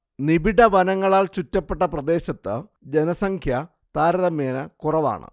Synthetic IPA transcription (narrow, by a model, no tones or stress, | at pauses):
nibiɽɐʋɐnɐŋːɐɭaːɭt͡ɕutːɐpːe̞ʈːɐprɐd̪e̞ːɕɐt̪ːɨd͡ʑenɐsɐŋkʰjɐ | t̪aːɾɐðɐmeːnɐkurɐʋa̰ːɳɨ̰